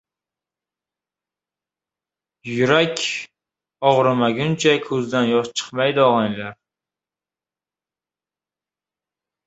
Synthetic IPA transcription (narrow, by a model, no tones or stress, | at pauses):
jʊɾakʲ | ɒʁɾɨmaɡʲʊnt͡ʃʰakʰɵzd̪anjɒʃt͡ʃʰɨ̥qmajd̪ɪɒʁɑŋlaɾ